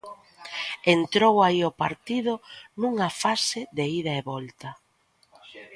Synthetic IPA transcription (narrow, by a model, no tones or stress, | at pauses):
ent̪ɾowaiopaɾt̪iðʊnuŋɐfasɪðeiðɐeβɔlt̪ɐ